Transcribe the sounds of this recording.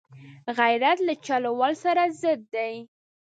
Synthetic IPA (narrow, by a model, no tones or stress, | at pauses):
ɣajɾat̪lat͡ʃɑlawɑlsaɾazəd̪ːaj